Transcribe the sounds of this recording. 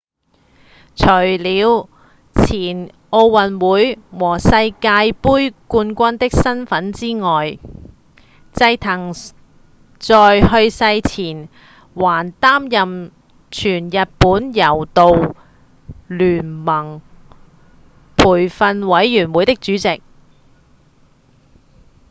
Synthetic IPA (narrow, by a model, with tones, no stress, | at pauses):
t͡ʃʰɵ˨˩jliː˨˧w | t͡sʰiː˨˩n | ʔo˧wwɐ˨nwuː˨˥jwɔː˨˩sɐ˧jkaː˧jpuː˥jkuː˧nkʷɐ˥nt̪ɪ˥k̚sɐ˥nfɐ˨˥nt͡siː˥ŋɔː˨j | t͡sɐ˧jt̪ʰɐ˨˩ŋ | t͡sɔː˨jɦɵ˧ɥsɐ˧jt͡sʰiː˨˩n | waː˨˩nt̪aː˥mjɐ˨m | t͡ʃʰyː˨˩njɐ˨t̚puː˨˥njɐ˨˩wt̪o˨w | lyː˨˩nmɐ˨˩ŋ | pʰuː˨˩jfɐ˧nwɐ˨˥jːyː˨˩nwuː˨˥jt̪ɪ˥k̚t͡ʃyː˨˥t͡sɪ˨k̚